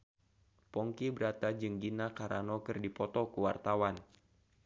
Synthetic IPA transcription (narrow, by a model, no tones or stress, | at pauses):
pɔŋkibəɾat̪ad͡ʒɨŋɡinakaɾanɔkɨrdipɔt̪ɔkuwart̪awan